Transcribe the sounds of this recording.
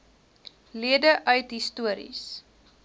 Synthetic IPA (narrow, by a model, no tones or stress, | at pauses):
liədəʔœɥtɦistuəɾḭs